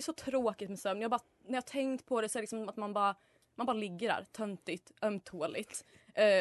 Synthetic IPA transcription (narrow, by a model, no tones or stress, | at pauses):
jsɔt̪ʰɾoːkɪt̪mɛsœmnjɑːbɑːɾa | næɾjɑːt̪ʰɛŋt̪pʰɔd̪ɛsɔɛɾəlɪksɔmmat̪manbɑːɾa | manbɑːɾalɪɡːəɖæ̰ːɾt̪ʰœnt̪ɪt̪œmt̪ʰoːlɪt̪ː